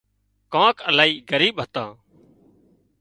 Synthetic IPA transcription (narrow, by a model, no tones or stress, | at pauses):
kãːkəlaːiːɡəɾiːɓɦət̪ãː